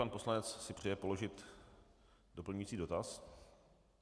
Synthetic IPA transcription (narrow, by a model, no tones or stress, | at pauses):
anpo̞slanɛt͡ssɪpr̥ɛjɛpo̞lo̞ʒɪt̪ | dopl̩ɲujit͡siːdo̞t̪as